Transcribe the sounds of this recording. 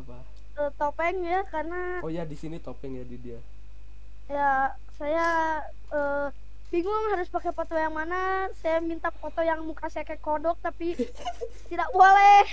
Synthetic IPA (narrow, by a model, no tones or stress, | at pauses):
apa | ət̪opɛŋjakarna | ojadisinit̪opɛŋjadidia | ja | saja | ə | biŋɡʊŋhaɾʊspakɛpot̪ɔjaŋmanasajamint̪apot̪ojaŋmukasajakakodɔk̚t̪api | t̪idak̚bolɛh